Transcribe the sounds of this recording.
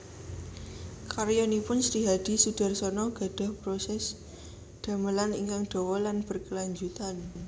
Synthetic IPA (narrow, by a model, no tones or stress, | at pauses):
kaɾjɔnipʊnsɾiɦad̪̥i̤sud̥a̤rsɔnɔɡ̥a̤d̥a̤hpɾosɛs | d̪̥a̤məlaniŋkaŋɖ̪̥ɔ̤wɔlanb̥ərkəlaɲd͡ʒut̪an